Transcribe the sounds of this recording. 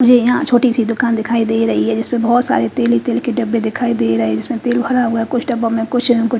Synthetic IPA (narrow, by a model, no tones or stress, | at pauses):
mʊd͡ʒʱejɐɦãt͡ʃʰoːʈisid̪ʊkaːnd̪ɪkʰaːid̪eːiɾɐɦiɦɛd͡ʒɪsmẽbɐɦɔt̪sa̰ːɾet̪eːlit̪eːlkeɖɐbːed̪ɪkʰaːid̪eːɾɐɦed͡ʒɪsmẽt̪eːlbʱɐɾaɦʊakʊt͡ʃʰɖɐbõmẽkʊt͡ʃʰkʊ